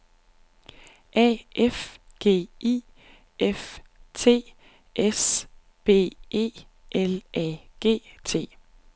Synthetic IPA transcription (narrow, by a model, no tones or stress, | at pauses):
ʔɛ̰ʔef | ɡ̥e̝̰ːiː | ʔeft͡sʰe̝̰ː | ʔes | b̥e̝̰ːe̝̰ː | ʔelɛɡ̥e̝̰ːt͡sʰe̝̰ː